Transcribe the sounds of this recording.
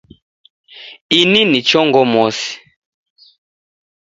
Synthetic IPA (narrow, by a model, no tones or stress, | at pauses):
ininit͡ʃɔŋɡɔmɔsi̥